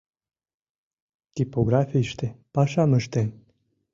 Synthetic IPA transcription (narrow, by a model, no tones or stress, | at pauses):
t̪ipoɡɾafiʃt̪epɑʃɑməʃt̪en